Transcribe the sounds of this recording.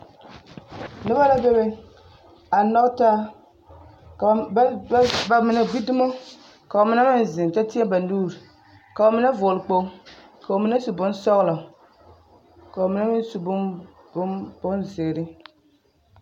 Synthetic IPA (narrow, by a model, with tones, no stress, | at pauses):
nɨ˦ba˦la˦be˦bɛ˦ | a˨nɔ˦ktaː˦˨˦ | ba˨mɪ˨na˨ɡ͡bi˦dʊ˦mo˦ | ka˨o˨mɪ˦na˦mɪ˦n˨zɪ˨n˨ta˦ti˦ɛ˦ba˨nuː˦˨ɾi˨ | ka˨o˨mɪ˦na˦vʊ˨lɨ˨k͡po˦ | ka˨o˨mi˨˦na˦su˨bʊ˦nsɔ˦ɣla˨ | ka˨o˨mɪ˨na˦mɪ˦n˦su˨bʊ˦ | bʊ˦bʊ˦nzɪ˨ɨ˨ɾɪ˦